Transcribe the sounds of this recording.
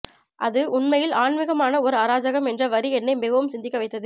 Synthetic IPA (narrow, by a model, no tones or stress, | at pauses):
ʔɐðɯʔʊɳmɐjɪlaːɳmɪɣɐmaːnɐɔɾɯaːɾaːd͡ʒɐɣɐmɛndrɐʋɐɾiɛnːɐɪmɪɣɐʋɯmsɪnd̪ɪkːɐʋɐɪt̪ːɐðɯ